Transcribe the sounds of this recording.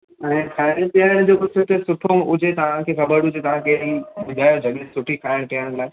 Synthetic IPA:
ɛ̃ːkʰaːɪɽɽ̃ʈijaːɪɽ̃d͡ʑoːkʊsʊt̪ʰesʊʈʰoʊd͡ʑʱet̪ɐʋ̤ãkʰexɐbəɾɽʊd͡ʑet̪ɐʋ̤ãkʰeimɪd̪ʱaːjod͡ʑʱɐɠesʊʈʰikʰaːɪɽ̃ʈijaɪɽ̃laːɪ

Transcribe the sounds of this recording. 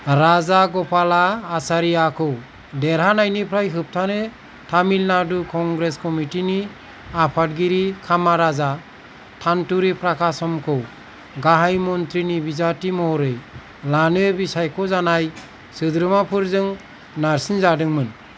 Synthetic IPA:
ɾazaɡɔpʰalaːsaɾijakʰɯw | deɾɦanajnipʰɾajɦɯp̚tʰanɯ | tʰamilnadukʰɔŋɡɾeskɔmitini | apʰat̚ɡiɾikʰamaɾaza | tʰantuɾipʰɾakʰasɔmkʰɯw | ɡaɦajmɔnt̪ɾinibizatimɔɾɯj | lanɯbisajkʰɔzanaj | sɯd̪ɾɯmapʰɯɾzɯŋ | naɾsinzadɯŋmɯn

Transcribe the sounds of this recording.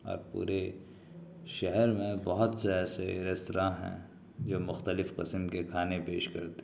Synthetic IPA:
ɔ̰ːɾpṵːɾe | ʃɛɦɛɾmẽbɐɦʊt̪seɛːseɾɪst̪ɾaɦɛ̰̃ | d͡ʒoːmʊxt̪əlɪfqɪsəmkekʰaːnepeːʃkɐɾt̪e̥

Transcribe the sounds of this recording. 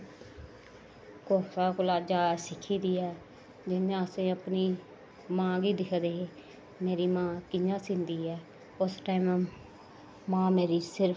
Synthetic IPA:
koːsaːkʊlaːd͡ʒaːsɪkʰːiːd̪iːɛː | d͡ʒɪnjãːəsẽːəpniː | mãːɡiːd̪ɪkʰd̪eː | meːɾiːmãːkɪɲãːsɪ̃nd̪iːɛː | ʊsʈaːimː | mãːmeːɾiːsɪɾ

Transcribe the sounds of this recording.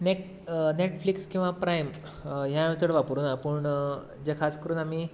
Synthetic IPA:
neʈ | neʈflikskĩw̃ʋapɾajm | ɦjaẽt̪əɽʋapɾuːnapəɳ | d͡ʑekʰaskəɾuːnam̤iː

